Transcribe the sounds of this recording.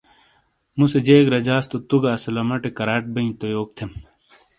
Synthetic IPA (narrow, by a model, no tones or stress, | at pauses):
mused͡ʑeːkɾɐd͡ʑaːst̪ot̪uɡaːsɐlɐmɐʈekɐɾaːʈ̚bɐĩt̪ojoːk̚t̪ʰem